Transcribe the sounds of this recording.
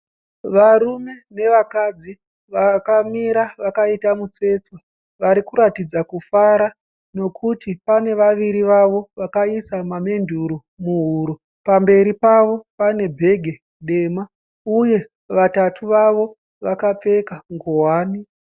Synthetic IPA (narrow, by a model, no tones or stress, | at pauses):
ʋaɾume̞ne̞ʋakad͡zi | ʋakamiɾaʋakaitamut͡se̞t͡swa | ʋaɾikuɾatid͡zakufaɾa | no̞kʰutipane̞ʋaʋiɾiʋaʋo̞ʋakaisamame̞ndʱuɾu | muɦuɾo | pambe̞ɾipaʋo̞pane̞bʱe̞ɡʱe̞ | ɗe̞ma | uje̞ | ʋatatʰuʋaʋo̞ | ʋakap͡fe̞kaŋɡowaːni